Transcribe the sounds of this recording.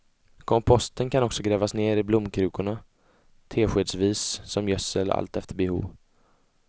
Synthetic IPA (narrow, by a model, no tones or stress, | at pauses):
kʰɔmpʰɔst̪ənkʰanɔksɔɡɾɛːvasneːɾɪblʊmːkʰɾʉ̟ːkʊɳa | t̪ʰeːɧeːd̪sviːsːɔmjœsːəla̰lt̪ɛft̪əɾbɛhṵːv